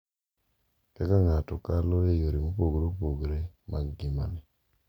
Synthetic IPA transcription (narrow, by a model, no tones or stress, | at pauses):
kɛkaŋatɔkalɔejoɾimopoɡɾopoɡɾemʔaɡima̰nɛ